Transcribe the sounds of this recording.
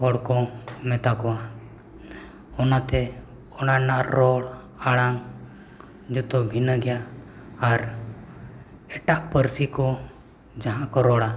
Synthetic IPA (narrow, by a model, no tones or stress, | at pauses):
ɦɔɽkɔmɛt̪akɔwa | ɔnat̪ɛ | ɔnanaʔːɔɽ | aɽaŋ | d͡ʒɔt̪ɔbʱinəɡɛjaː | ɾ | ɛʈaʔpəɾsikɔ | d͡ʒaɦãkɔɾɔɽa